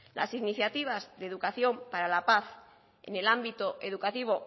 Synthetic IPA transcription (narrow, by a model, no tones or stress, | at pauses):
lʔa̰siniθjat̪iβ̞azðe̞ðukaθjo̞mpaɾalapaθ | ḛne̞lambit̪oʔe̞ð̞ukat̪iβ̞o̞